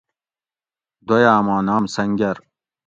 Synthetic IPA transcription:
d̪ojaːmaːnaːmsɐŋɡɐɾ

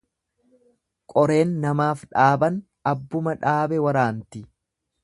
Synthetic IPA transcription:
kʼɔɾe̞ːnːɐmaːfᶑaːbɐn | ɐbːʊmɐᶑaːbɛwɐɾaːnt̪ɪ

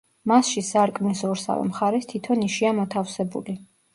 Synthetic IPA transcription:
masʃisaɾkʼmnisɔɾsa̰vɛ̰mχaɾɛst̪ʰit̪ʰɔniʃiamɔt̪ʰafsɛbṵli

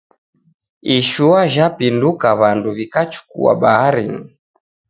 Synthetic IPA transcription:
iʃuaʒapindukaβanduβikat͡ʃu̥kṵa̰ɓahaɾḭni

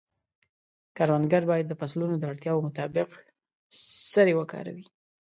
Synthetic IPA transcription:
kɑɾwand̪ɡaɾbɑjad̪ːəpaslunod̪əaɽt̪jɑwomʊt̪ɑbɪq | səɾewəkɑ̰ɾa̰wi

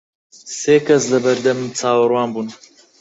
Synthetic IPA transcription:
seːkɐslɐbɐɾd̪ɐmt͡sʰaːwɨɾwaːnbuːn

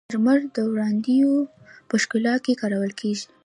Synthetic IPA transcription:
ɾməɾd̪əwɽɑnd̪ijo | pəʃkɪlɑt̪̚kekɑɾawəlkʰeʒi

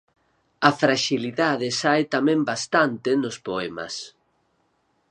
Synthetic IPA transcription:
afɾaʃiliðaðɪsajt̪amɛ̃mbast̪ant̪ɪnospoɛma̰s

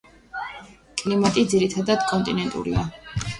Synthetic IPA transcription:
kʼlimat̪ʼid̪ziɾit̪ʰad̪ad̪̥kʼɔnt̪ʼinɛnt̪ʼṵɾḭa

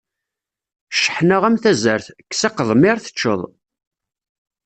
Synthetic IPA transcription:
ʃə̥ħnəʁæmθæzəɾθkːsɑqəðˤmiɾθə̥t͡ʃːə̰ðˤ

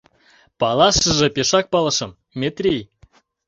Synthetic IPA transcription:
pɑlˠɑʃə̆ʒɤ̆pʲeʃɑk̚pɑlˠɤ̆ʃɤ̆m | mʲet̪rʲij

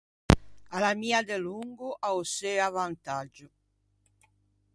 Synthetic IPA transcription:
alamiːad̪eluŋɡʊʔauseɾavant̪ad͡ʒʊ

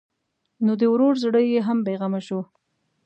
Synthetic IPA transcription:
nod̪əwɾoɾzɽəjjeɦambeɣamaʃo

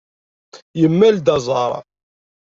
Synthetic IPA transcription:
jəmːæld̪ɑzˤɑɾˤ

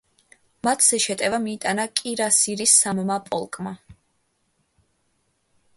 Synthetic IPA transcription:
mat̪ʰz̥ɛʃɛt̪ʼɛvamiːt̪ʼanakʼiɾasiɾisːammapʼɔlˠkʼma

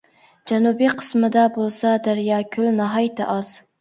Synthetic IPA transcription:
d͡ʒɛnubiqʰə̥smɨd̪ɑbolˠsɑd̪æɾjɑːkʲʰølnɑɦɑjt̪ʰɑ̰ʔɑz̥

